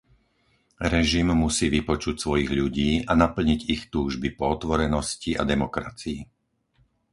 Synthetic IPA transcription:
ɾɛʒimːusiːʋipɔt͡ʃucsʋɔjiɣʎuɟiːanapl̩ɲiɟixt̪uːʒbipɔɔt̪ʋɔɾɛnɔscia̰d̪ɛmɔkɾat͡sii

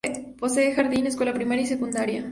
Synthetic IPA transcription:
t̪po̞seːxaɾðines̬kwelapɾimaɾjais̬e̞kund̪aɾja

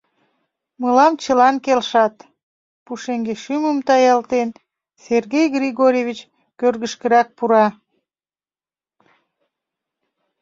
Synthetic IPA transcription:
məlɑmt͡ɕəlɑnkelʃɑt̪ | puʃeŋɡeʃyməmt̪ɑjɑlt̪en | serɣejɡriɣoɾʲevʲit͡ɕ | kørɣəʃkəɾɑk̚puɾɑ

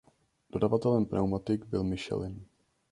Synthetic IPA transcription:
d̥o̞davat̪ɛlɛmpɾʔa̰wmat̪ɪɡbɪlmɪʃɛ̰lɪn

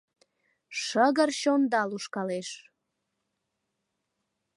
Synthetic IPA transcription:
ʃəɣərɕond̪ɑluʃkɑleʃ

